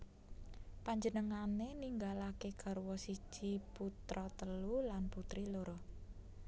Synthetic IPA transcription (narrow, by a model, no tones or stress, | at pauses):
paɲd͡ʒənəŋaneniŋɡalakekaɾuwɔsi̥ʒ̥iput̪ɾɔt̪əlulanput̪ɾiloɾo